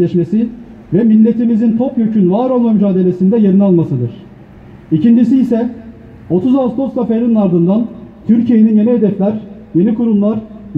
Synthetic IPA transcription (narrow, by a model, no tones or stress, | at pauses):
ɛʃmesi | vɛmilʲːe̞t̪ʰimizint̪ʰo̞pjøcʰynvaːɾolˠmamyd͡ʒaːd̪ee̞sind̪ɛje̞ɾinalˠmasɯd̪ɯɾ̥ | icind͡ʒisiːsɛ | o̞t̪ʰuzast̪ʰo̞skafeɾininaɾd̪ɯnd̪ant̪ʰyɾcʰijeninje̞nied̪ɛflʲæɾ | je̞nikuɾumlˠaɾ